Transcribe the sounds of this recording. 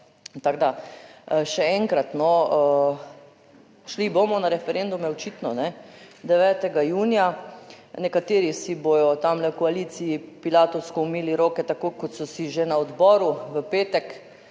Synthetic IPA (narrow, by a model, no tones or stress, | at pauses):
t̪aɡd̪a | ʃɛɛŋkɾat̪nɔ | ʃlibomɔnaɾɛfɛɾend̪umɛɔt͡ʃit̪nɔnɛd̪ɛʋɛːt̪ɛɡajuːnija | nɛkat̪eːɾisibojɔt̪amlɛwkɔaliːt̪siipilaːt̪ɔwskɔumiːliɾoːkɛt̪akokɔt̪sɔsiʒenaɔd̪bɔːɾuʋəpeːt̪ɛk